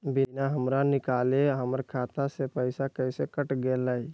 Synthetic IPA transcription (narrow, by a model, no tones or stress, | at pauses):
bɪnaɦəmɾanɪkaːleɦəməɾkʰaːt̪asepəɪsakəɪsekəʈɡelaːi